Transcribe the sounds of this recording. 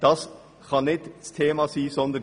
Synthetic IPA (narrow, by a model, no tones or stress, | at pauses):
d̥̪ɑs | kʰɑnnɪt̪st̪ʰeːmɑsiːsɔnd̪ə